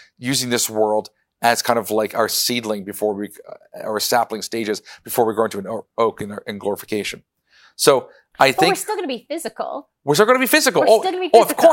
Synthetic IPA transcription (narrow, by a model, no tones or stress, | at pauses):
jʉzɪ̃ŋðɪswɜ˞lˠd | ɨz̥kʰãɪ̃ndʌvlaɪkaʊə˞sidlɪ̃ŋbɨfɔɹwia̰ʊə˞sæplˠɪ̃ŋsteɪd͡ʒɨzb̥ɨfɔɹwiɡoʊɪ̃ntʉɨ̃noʊkɨ̃nʔɨ̃nɡlɔɹəfə̥kʰeɪʃɨ̃n̩ | soʊ | ʔaɪθɪ̃ŋɹkstɪl̩ˠɡʌnəbifɪzɨkl̩ˠ | wɪɹs̬ɪlˠɡʌ̃nəbifɪzɨkl̩ˠɡiʌvkʰɔ